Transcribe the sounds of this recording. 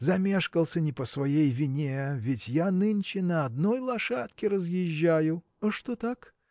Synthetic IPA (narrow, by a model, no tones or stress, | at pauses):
zɐmʲe̞ʂkəlˠsʲənʲɪpəsvɐjejvʲɪnʲevʲɪtʲjanɨnʲt͡ɕɪnəɐd̪nojlˠɐʂat̪kʲɪɾəzjɪʑːajʊ | ɐʂt̪ot̪ak